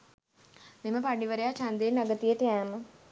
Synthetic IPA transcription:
meməpaɖiʋəɾejat͡ʃand̪enːaɡət̪ijəʈəæːmə

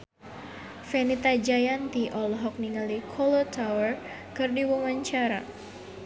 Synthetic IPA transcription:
fɛnit̪ad͡ʒajant̪iʔɔlɦɔk̚niŋalikʰɔlot̪ʰawər | kɨrdiwuŋaɲt͡ʃaɾa̰

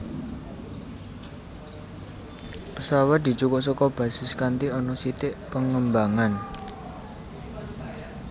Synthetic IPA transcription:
pəsawat̪̚d̪̥i̤t͡ʃukɔʔs̬ɔkɔb̥ä̤sɪskant̪iɔnɔsit̪ɪʔpəŋəmbaŋan

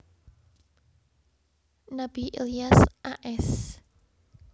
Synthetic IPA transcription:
nab̥iʔḛliasʔaʔɛs

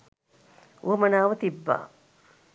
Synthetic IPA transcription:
ṵɐmɐnaːʋɐt̪ibːa̰ː

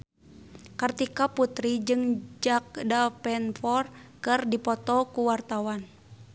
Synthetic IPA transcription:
kərt̪ikaput̪ɾid͡ʒɨŋd͡ʒak̚dapɛnfɔrkɨrdipɔt̪ɔkuwart̪awan

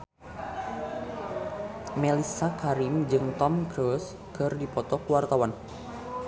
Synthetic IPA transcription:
melisakaɾimd͡ʒɨŋt̪ɔmkɾus | kɨrdipɔt̪ɔkuwart̪awan

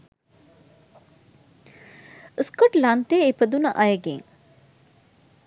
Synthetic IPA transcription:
əskoʈlant̪eːepəd̪unɐʔɐjəɡḛŋ

